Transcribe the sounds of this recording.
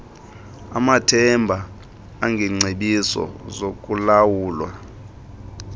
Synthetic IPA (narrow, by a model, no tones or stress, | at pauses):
a̰matʰɛmbʱa | aŋɡʱɛŋ͡ǀʱeɓisɔ̰zok̬ʼulawuːlwa̰